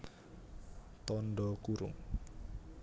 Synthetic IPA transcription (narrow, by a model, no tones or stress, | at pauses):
t̪ɔnɖɔkuɾʊ̰ŋ